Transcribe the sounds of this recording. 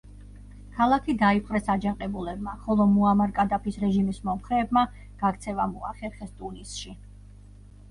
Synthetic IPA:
kʰalˠakʰid̪aipʼqʼɾɛsad͡ʒaqʼɛbulɛb̚maχɔlˠɔmuamaɾkʼad̪apʰisɾɛʒimismɔmχɾɛːbma | ɡ̥ak̚ʰt̪sʰɛvamua̰χɛɾχɛst̪ʼunisʃi

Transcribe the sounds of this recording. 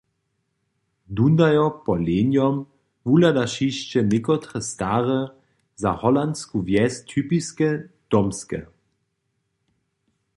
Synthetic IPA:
dund̪ajɔpɔleːnjɔm | vuladaʃiʃt͡ʃɛmɪkɔt̪χɛstaːʁɛ | zahɔlanskuvjɛst̪ʰypiskɛd̥ɔmskɛ̰

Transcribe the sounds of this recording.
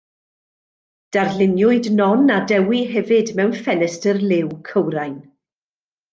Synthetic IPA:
d̥arlɪnjʊɨdnɔnadɛwiɦɛvɨdmɛwnfɛnɛstərlɪwkʰəwɾajn

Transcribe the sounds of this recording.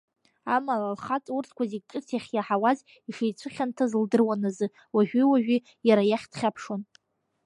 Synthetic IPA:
amalalχat͡sʼurtʰkʷazikʼɨtʰjaχʲjaħawaz | iʂejt͡sʷʰɨχʲantʰazɨldɨrwanazɨ | waʒᶣiwaʒᶣi | jaɾajaχʲtʰχʲapʰʂon

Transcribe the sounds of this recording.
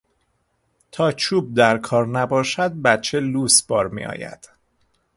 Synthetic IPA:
t̪ʰɒːt͡ʃʰuːb̚d̪æɾkʰɒːɾnæbɒːʃæd̪̚bæt̪t͡ʃʰeluːsb̥ɒːɾmḭʔɒ̰ːjæ̰d̪̥

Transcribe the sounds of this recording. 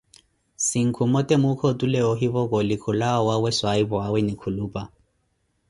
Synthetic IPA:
siŋ̩kʰumɔtʼɛmʊkʰotʼulɛɔɦiβɔkɔlɪkʰʊlaɔwawɛswaibɔawɛnikʰuluːpʼa

